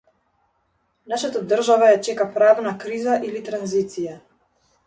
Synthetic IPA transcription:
naʃat̪ad̪r̩ʒavajat͡ʃɛkapɾavnakɾizaʔilit̪ɾanzit̪sija

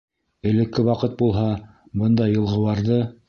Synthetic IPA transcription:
ɘ̆lɘ̆kːɘwɑqɤt̪̚bulˠɦɑ | bɤnd̪ɑjɤ̆lˠʁɤ̆wɑɾðɤ

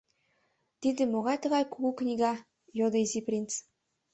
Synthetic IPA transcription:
t̪id̪ɘ̆moɣɑjt̪ɤ̆ʁɑjkuɣuknʲiɡɑ | jod̪ɤ̆iziprʲint̪t͡s

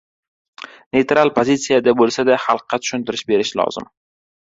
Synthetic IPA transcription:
nejt̪ɾalˠpʰozit̪sijad̪abolˠsad̪aχɑlˠqːɑt̪ʰʊ̥ʃʊnt̪ʰɪɾɪʃbe̞ɾɪʃlɒ̰z̥ɪ̰m

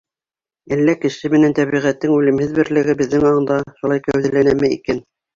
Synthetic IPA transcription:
ælːækɘ̆ʃɘmɘ̆nænt̪æβiʁæt̪ːɘŋʉlɘ̆mhɘðbɘ̆ɾlɘ̆ɡɘbɘ̆ðːɘŋɑɤ̆nd̪ɑʃulˠɑjkæwðɘ̆lænæmɘḭkæn

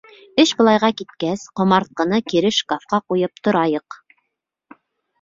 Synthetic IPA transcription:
ɘʃbɤ̆lˠɑjʁɑkit̪̚kæsqŏmɑɾt̪̚qɤ̆nɤkiɾɘʃkafqɑqujɤp̚t̪ŏɾɑjɤq

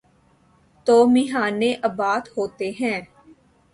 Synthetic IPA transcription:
t̪oːmɪɦaːneːʔəbaːt̪hoːt̪eːɦɛ̃ː

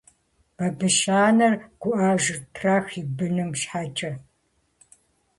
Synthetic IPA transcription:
b̥ɐbɨʃaːnɐrɡ̥ʷʊʔaːʒɪtʰraːxibɨnɨmʃħaːt͡ʃʼɐ

